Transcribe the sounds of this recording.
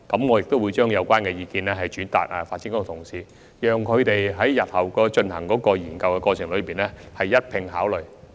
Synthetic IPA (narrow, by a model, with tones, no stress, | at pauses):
kɐ˨˥mŋɔ˨˧jɪ˨k̚t̪wu˨˧t͡ʃœː˥ŋjɐ˨˧wkʷaː˥nkɛː˧jiː˧kiː˧nɛː˥ɦɐ˨jt͡ʃyː˨˥nt̪a̰ː˨˩k̚ɛ̰ː˨faː˧t̚t͡ɕiː˧˥kːɔ˥˨˧t̪ʰʊ˨˩ŋsiː˨˧ | jœː˨ŋkʰɵ˨˧ɥt̪e˨jɦɐ˨˥jjɐ˨t̚hɐ˨˩wkɔː˧t͡ʃɵ˧nhɐ̰˨˩ŋkɔː˨˥kɔː˧jiː˨˩nkɐ˧wkɛ˧kɔː˧t͡ɕʰɪ˨˩ŋlɵ˨˧ɥpiː˨nlɛ˥hɐ˨jːɐ˥t̚pʰɪ˧ŋɦaː˨˥wlɵ˨˩ɥ